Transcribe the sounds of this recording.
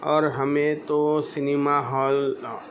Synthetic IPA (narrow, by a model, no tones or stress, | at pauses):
ɔːɾɦəmẽt̪osɪnimaɦɔːl